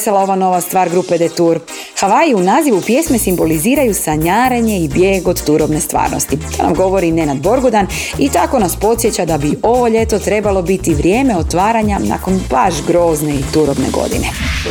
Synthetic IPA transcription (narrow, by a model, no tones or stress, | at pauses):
salˠao̞ʋano̞ʋast̪ʋaːɾɡɾuped̪et̪uɾ | xaʋaiunaːziʋupje̞sme̞simbo̞liziːɾajusaɲaːɾeɲe̞ibjeːɡod̪t̪uɾo̞bne̞st̪ʋa̰ːɾnost̪it̪ʰoːna̰mɡo̞ʋo̞ɾine̞nad̪bo̞ɾɡud̪an | it̪ako̞naspo̞t̪sjet͡ɕad̪abiʔo̞ʋo̞ʎe̞t̪o̞t̪ɾe̞balˠo̞bit̪iʋɾje̞ːme̞o̞t̪ʋaːɾaɲana̰ko̞nbaʒɡɾo̞ːzne̞it̪uɾo̞bnḛɡo̞̰d̪ḭne